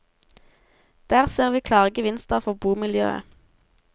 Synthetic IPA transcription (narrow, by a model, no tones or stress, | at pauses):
d̪̥æːʁseːʁʋiːkʰlɑːʁɡəʋɪnst̪əʁfɔʁbuːmɪljø̰ːə̰